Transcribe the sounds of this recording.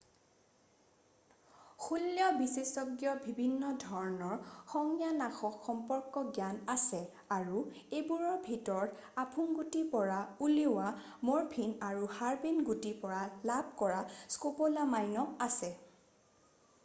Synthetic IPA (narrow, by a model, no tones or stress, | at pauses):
xulːjɔbisesɔɡjɔbʱibʱinːɔdʱɔɹɔnɔɹxɔŋjanaxɔkxɔmpɔɹkɔɡjanasɛ | aɹuebuɹɔɹbʱitɔɹɔtapʰunɡutipɔɹauliʊwa | moɹpʰinaɹuhaɹbinɡutipɔɹalabʱkɔɹaskopolamajnɔasɛ